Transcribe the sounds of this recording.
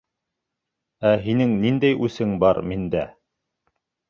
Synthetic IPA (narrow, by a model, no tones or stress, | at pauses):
æɦinɘŋnind̪æjʔʉsɘŋbɑɾmind̪æ